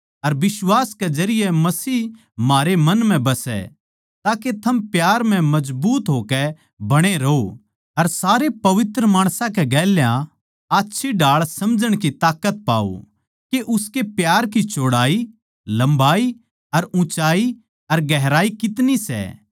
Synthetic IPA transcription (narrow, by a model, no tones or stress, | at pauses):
ɐɾbɪswaːsked͡ʒɐɾɪjemɐsiː | maːɾemɐ̃nm̤ɛ̃bɐsɛ̰ | t̪aːket̪ʰɐmpjaːɾm̤ɛ̃mɐd͡ʒbuːt̪ɦoːkɛ | bɐɽ̃eɾɐo | ɐɾsaːɾepɐʋɪt̪ɾəmaːɽ̃sãkɛɡɛːljã | aːtːʃʰiɖaːɭsɐmd͡ʒəɽ̃kit̪aːkət̪̚pa̰ːo̰ | keʔʊskepjaːɾkit͡ʃoːɽaːi | lɐ̃mbaːi | ɐɾʊ̃t͡ʃaːi | ɐɾɡɛɦɾaːikɪt̪nisɛ̰ː